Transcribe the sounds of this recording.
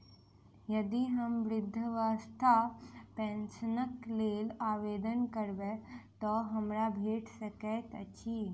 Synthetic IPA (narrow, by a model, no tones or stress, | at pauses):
jəd̪iɦəmʋɾɪd̪ʱːəʋast̪ʰapɛ̃nsənəkleːlaːʋed̪ənkəɾʋet̪ɔɦəmɾabʱeːʈsəkɛt̪ə̰t͡ɕi